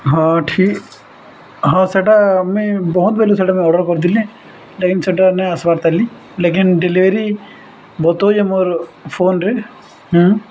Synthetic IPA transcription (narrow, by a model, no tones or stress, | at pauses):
ɦãʈʰiːk | ɦãːseʈamẽbɔɦʊt̪̚bɛːloseʈamẽɔːɖəɾkɔɾd̪ilẽ | leːkɪnseʈanɛɐsbaːɾt̪ɐli | leːk̬ɪnɖeliʋɾi | bɔt̪oːd͡ʒemoɾfʰoːnɾe | ɦː